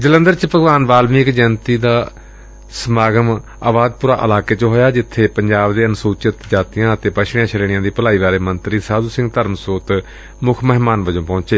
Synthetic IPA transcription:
d͡ʒələ̃nd̪əɾt͡ʃpəɡʋaːnʋaːlmiɪkd͡ʒənt̪iːd̪aː | səmaːɡəm | aːʋaːd̪̚pʊɾaːʔəlaːkeːt͡ʃɦoːjaːd͡ʒɪt̪ʰːeːpəɲd͡ʒaːbd̪eːənsuːt͡ʃɪt̪d͡ʒaːt̪ijãːət̪eːpəʃʰɽ̃jãːt͡ʃʰəɾeːɽɪjãːd̪iːpəlaːiːʋaːɾeːmənt̪ɾiːsaːd̪uːsɪ̃ŋɡt̪əɾmsoːt̪ | mʊkʰməɦmaːnʋəd͡ʒõːpɔ̃ːt͡ʃeː

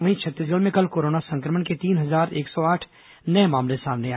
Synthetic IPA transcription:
ʋɐɦĩt͡ʃʰɐt̪ːiːs̬ɡəlmẽkɐlkoːɾoːnasɐ̃ŋkɾəməɳket̪iːnɦɐzaːɾeːksɔaːʈʰ | nɐjmaːmlesaːmneaː

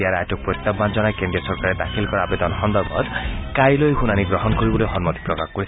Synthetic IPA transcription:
iaɾajʈɔk̚pɾojt̪ːaband͡ʒɔnajkenɖiɔsɔɾkaɾed̪akʰilkɔɾaabet̪ɔnhɔnd̪ɔbɔ̰d̪kajlojhunaniɡɾɔɦɔnkoɾibɔlojɦɔnmɔt̪i̥pɾɔkakkːoɾit̪ʰ

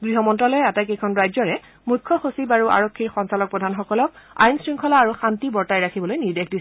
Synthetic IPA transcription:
ɡɹiɦɔmɔntɹalɔjɛatajkejkʰɔnɹajzɔɹɛ | mukʰːɔxosibaɹuʔa̰ɹokʰːiɹxɔnsalɔk̚pɹɔdʱanxɔkɔlɔka̰jnsɹiŋkʰɔlaːɹuxantibɔɹtajɹakʰibɔlojniɹdexʰdisɛ

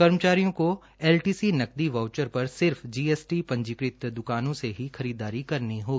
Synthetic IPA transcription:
kɐɾmət͡ʃaːɾijõko | ɛːlʈiːsinɐk̚d̪iʋaːʊt͡ʃəɾpɐɾsɪɾfd͡ʒiːeːsʈipɐ̃ɲd͡ʒɪkɾɪt̪d̪ʊkaːnõseɦixɐɾiːd̪aːɾikɐɾniɦoːɡi

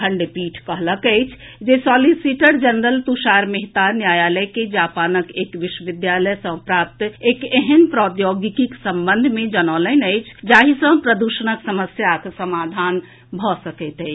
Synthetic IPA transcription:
ə̃ɳɖipiːʈʰkəɦləkəɪt͡ʃʰ | d͡ʒesɔːlisiʈəɾd͡ʒənd̪əlt̪uʃaɾmeɦt̪aɾnjaːjaːləjked͡ʒaːpaːnəkeːkʋɪʃwəʋɪd̪jaləjsə̃pɾaːp̚t̪eːkeɦənpɾɔːt̪joɡikiksə̃mbənd̪ʱmẽd͡ʒənɔːləɪnəɪt͡ʃʰd͡ʒaːɦisə̃pɾəd̪uʃənəksəməsjaksəmaːd̪ʱan | bʱɔsəkət̪ɦɛɪ

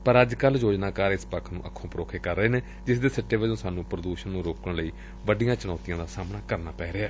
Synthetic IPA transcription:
pəɾəd͡ʒkəljoːd͡ʒnaːkaːɾɪspəkʰnṵ̃ːʔəkʰːõːpəɾo̰ːkʰekəɾːəɦeːneː | d͡ʒɪsd̪eːsəʈːeːʋəd͡ʒõːsaːnũːpɾəd̪uːʃənːũːɾoːkəɳləiː | ʋəɖɪjãːt͡ʃʊɽɔːt̪ijãːd̪aːsaːmnaːkəɾnaːpɛːɾeaː

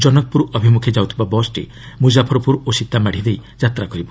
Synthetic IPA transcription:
d͡ʒɔnɔkɔpuɾuɔbʱimukʰed͡ʒawt̪ʰibabɔsʈḭ | mud͡ʒapʰɔɾɔpuɾosit̪ːamaɽ̤id̪ejd͡ʒat̪ɾakɔɾibɔ

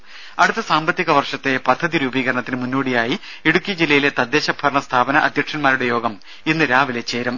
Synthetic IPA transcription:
ɐɽut̪ːɐsaːmbɐt̪ːiɣɐʋɐrʂɐt̪ːe̞pɐd̪ʱːɐðiɾuːbiːɣɐɾɐɳɐt̪ːinɨmunːoːɽijaːji | eɽukʲːijɐd͡ʑilːɐjile̞t̪ɐd̪ːe̞ːɕɐbʱɐɾɳɐst̪ʰaːbɐnɐʔɐd̪ʱjɐkʂɐnmaːɾuɽe̞jo̞ːɡɐm | enːɨɾaːʋile̞t͡ɕːe̞ːɾɐm

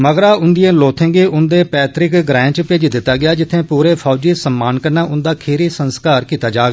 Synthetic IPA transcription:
məɡɾaːʊnd̪ɪjẽːloːt̪ʰẽːɡeːʔʊnd̪eːpɛːt̪ɾɪkɡɾɛ̃ːt͡ʃpeːd͡ʒd̪ɪt̪ːaːɡɪaːd͡ʒɪt̪ʰːẽːpuːɾeːpʰɔːd͡ʒiːsəmːaːnkəɾnaːʔʊnd̪aːkʰeːɾiːsənskaːɾkiːt̪aːd͡ʒaːɡa

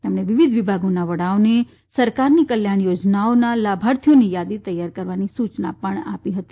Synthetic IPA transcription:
t̪emɳeʋɪʋid̪ʱʋɪbʱaɡonaʋəɽaone | səɾkaɾnikəljaɳjod͡ʒnaonalabʱaɾt̪ʰijonijad̪it̪əjaɾkəɾʋanisut͡ʃna̰pəɳa̰piɦət̪i̥

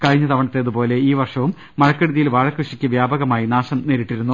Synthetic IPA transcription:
kɐɻiɲːɐt̪ɐʋɐɳɐt̪ːe̞ːɐðupo̞ːle̞iːʋɐrʂɐʋumːɐɻɐkːeɽuðijilʋaːɻɐkruʂikʲːɨʋjaːbɐɣɐmaːjinaːʂɐmneːɾiʈːiɾunːu

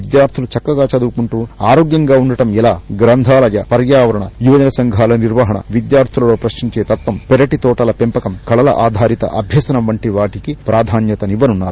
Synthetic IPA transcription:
id̪jaːɾt̪ʰulut͡ʃɐkːɐɡaːt͡ʃɐd̪ukuɳʈuːaːɾoːɡjɐŋɡaːuɳɖɐʈɐmɛlaːɡɾɐnd̪ʱaːlɐjɐpɐɾjaːʋɐɾɐɳɐjuʋɐd͡ʒɐnɐsɐŋɡʱaːlɐniɾʋɐɦɐɳɐ̰ʋid̪jaːɾt̪ʰulɐlo̞ːpɾɐʃiɲt͡ʃeːt̪ɐpːɐmpɛɾɐʈit̪ɔːʈɐlɐpempɐkɐmkɐɭɐlɐ̰ʔaːd̪ʱaːɾit̪ɐ̰ʔɐbʱjɐsɐnɐmʋɐɳʈiʋaːʈikipɾʔaːd̪ʱaːnjɐt̪ɐniʋɐnunːaːɾu

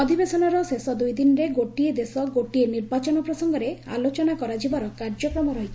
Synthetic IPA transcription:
ɔd̪ʱibesɔnɔɾɔsesɔd̪ujd̪inɾeɡoʈied̪esɔɡoʈieniɾbat͡ʃɔnɔpɾɔsɔŋɡɔɾea̰lot͡ʃɔnakɔɾad͡ʒibaɾɔkaɾd͡ʒɔkɾɔmɔɾɔɦit̪ʰ

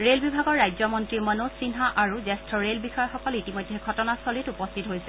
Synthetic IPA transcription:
ɹelbibʱaɡɔɹːajzɔmɔntɹimɔnosinɦaʔaɹuzɛstɹɔɹelbixɔjɔxɔkɔlitimɔjdʱɛɡʱɔtɔnasɔlitupɔstʰitɔɦojsɛ

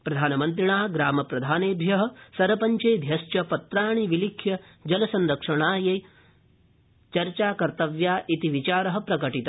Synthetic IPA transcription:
pɾɐd̪ʱaːnɐmɐnt̪̬ɾiɳaːɡɾaːmɐpɾɐd̪ʱaːneːbʱjɐɦɐ̆sɐɾɐpɐɲt͡ʃɐjd̪ʱjɐst͡ʃɐpɐt̪ɾaːɳiʋilikʰjɐ | d͡ʒɐlɐsɐnɾɐkʂɐɳaːjeː | t͡ʃɐɾt͡ʃaːkɐɾt̪ɐʋjaːʔit̪iʋit͡ʃaːɾɐɦɐ̆pɾɐkɐʈit̪ɐ

